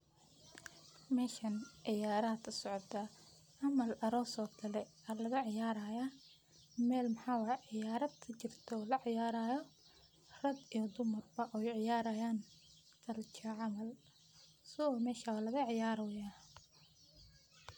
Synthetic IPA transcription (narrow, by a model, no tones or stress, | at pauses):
mɛːʃɐnʕɪjaːɾɐːd̪kʰɐsɔʕt̪ʰɐ | ʕɑmɐlɐɾɔːsɔːkʰɐlɛ | ɐlɐɣɐʕɪjaːɾɐjɐ | mɛːlmɐħɑːwɑhɛʕɪjaːɾɐd̪kʰɐt͡ʃɪrt̪ʰɔlɐʕɪjaːɾaːjɔ | rɐd̪ijɔd̪ʊmɐrbɐʔɔjʕɪjaːɾɐjaːn | t̪ʰɐlt͡ʃʰɐʕɑmɐl | sɪɔːmɛːʃɐwalɐɣɐʕɪjaːɾɔːjaː